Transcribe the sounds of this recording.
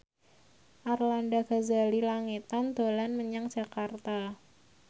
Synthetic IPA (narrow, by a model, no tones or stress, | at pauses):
ʔarlandaɡ̥azalilaŋit̪and̪olanməɲaŋd͡ʒ̥a̤kart̪a